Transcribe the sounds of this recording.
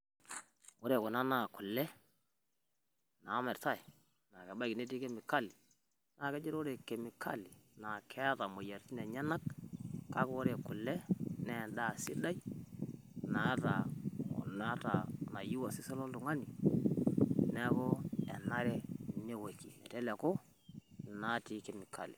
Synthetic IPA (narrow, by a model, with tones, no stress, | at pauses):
o˦ɾe˨kɔ˨na˦na˨kʊ˨lːɛ˦ | na˨˦mɛ˨ɾta˦˨i˨ | na˨kɛ˨ba˦˨ki˨ne˦ti˦ke˦mi˨ka˦˨li˨ | na˨kɛ˦d͡ʒe˦ɾo˦ɾe˨ke˨mi˨kʰa̰˦li˨na˨kʰɛ˦a˦ta˨mo˨ja˨ɾti˦nɛ˨ɲa˦na˦kka˦ko˦ɾe˨kʊ˨lɛ˦nɛ˦˨da˦˨sɪ˦da˦i˦ | na˨˦ta˨ɔ̰˨na˦ta̰˨na˨ji˦wa˨si˦sɔ˦lo˦ltu˨ŋa˦ni˨ | nɛ˦ko˦ɛ˨na˦ɾɛ˦ne˦we˨ki˨nɛ˨tɛ˦lɛ˨ko˦ | na˨ti˦ke˨mi˨kʰa̰˨lḭ˨